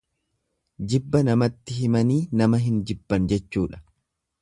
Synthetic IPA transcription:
d͡ʒɪbːɐnɐmɐt̪ːɪhɪmɐniːnɐmɐɦɪnd͡ʒɪbːɐnd͡ʒɛt͡ʃːuːᶑɐ̥

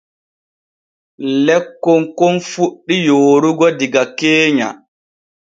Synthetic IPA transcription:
lɛkːɔŋkonfuɗːijoːɾuɡɔdiɡakeːɲa̰

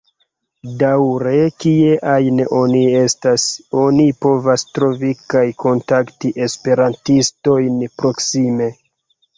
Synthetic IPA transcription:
dawɾe̞kieʔajno̞nie̞staso̞nipo̞vastɾo̞vikajko̞ntaktiʔe̞spe̞ɾantisto̞jnpɾo̞ksime̞

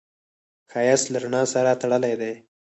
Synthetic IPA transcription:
xɑjaslaɾʊnɑsaɾat̪aɽəlajd̪e

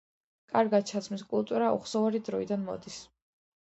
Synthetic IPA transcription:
kʼaɾɡat̪̚t͡ʃʰat̪sʰmiskʼulˠt̪ʼuɾaɔ̰χsɔvaɾid̪ɾɔid̪anmɔ̰d̪is

